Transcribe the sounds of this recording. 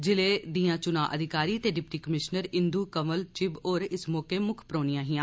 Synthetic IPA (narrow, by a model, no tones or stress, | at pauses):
d͡ʒɪleːd̪iːãːt͡ʃʊna̰ːʔəd̪ʱɪkaːɾiːt̪eːɖɪp̚ʈiːkəmɪʃnəɾɪ̃nd̪uːkəməlt͡ʃɪboːɾɪsmɔːkeːmʊkʰpɾoːnijãːɦɪãː